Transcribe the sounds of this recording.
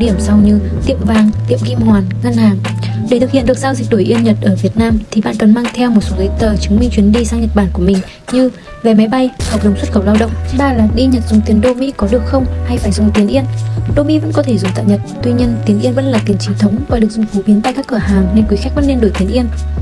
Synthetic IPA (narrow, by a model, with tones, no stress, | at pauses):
ɗi˧˩əmsa˧wɲɨ˧ | t̪ḭ˧˨əmvaː˧ŋt̪ḭ˧˨əmɣi˧mhwaː˨˩nŋa˧nhaː˨˩ŋ | ɗe˧˩t̪̚ʰhḭ˧˨ɗɨ˨˩ək̚zaː˧wzï˨˩k̟̚ɗo˧˩jʔi˧ənɲə˨˩t̚ʔəː˧˩vi˨˩ət̚naː˧mt̪ʰi˨˩ɓa̰ː˧˨nkə˨˩nmaː˧ŋt̪ʰɛ˧wmo˨˩t̚so˨˦zə˨˦jt̪əː˨˩t͡ɕɨ˨˦ŋŋ͡mmï˧ŋt͡ɕwi˨˦ənɗi˧saː˧ŋɲə˨˩t̚ɓaː˧˩nku˧˩əmï˨˩ŋ̟ | ɲɨ˧ | ve˨˩ma˨˦jɓa˧jhk͡p̚zə˨˩ŋ͡mswə˦˥t̚xə˧˩wlaː˧wɗə̰˧˨wŋ͡mɓaː˧˩laː˨˩ɗi˧ɲə˨˩t̚zʊ˨˩ŋ͡mt̪i˨˦ənɗo˧mḭ˧˥kɔ˨˦ɗɨ˨˩ək̚xə˧wŋ͡mha˧jfaː˧˩jzt̪i˨˦ənʔi˧ənɗo˧mḭ˧˥və̰˧˥nkɔ˨˦t̪ʰe˧˩zʊ˨˩ŋ͡mt̪a̰ː˧˨ɲə˨˩t̚t̪wi˧ɲi˧ənt̪i˨ənʔi˧ənvə̰˧˥nlaː˨˩t̪i˨˩ənt͡ɕi˨˦nt̪ʰə˨˦wŋ͡mvaː˨˩ɗɨ˨˩ək̚zʊ˨˩ŋ͡mfu˨˦ɓi˨˦ənt̪a̰˧˨jkaː˦˥kːɨ˧˩ɦaː˨˩ŋne˧nkwi˨˦xa˦˥k̚və̰˧˥nːe˧nɗo˧˩jt̪i˨˦ənʔi˧ən